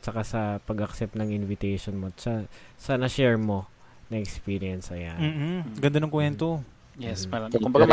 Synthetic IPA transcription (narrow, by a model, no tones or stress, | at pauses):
t͡ʃɐkasɐpɐɡʔɐksɛp̚nɐŋʔɪnvɪt̪ɛjʃonmosɐsɐnɐʃɛɹmo̞ | nɐʔɛkspiːɾɪɛnsɐjanm̩ːɡɐnd̪ɐnoŋkwɛnt̪o | jɛsmɐlɐkʊmbɐɡa